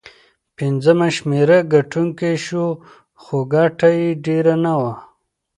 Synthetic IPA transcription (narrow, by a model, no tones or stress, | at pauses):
pind͡zəmaʃmeɾaɡaʈʰuŋkeʃu | xoɡaʈajiɖeɾanawa